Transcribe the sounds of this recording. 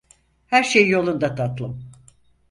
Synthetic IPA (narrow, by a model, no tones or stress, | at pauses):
hæɾʃejjo̞lˠund̪at̪ʰat̪lˠɯm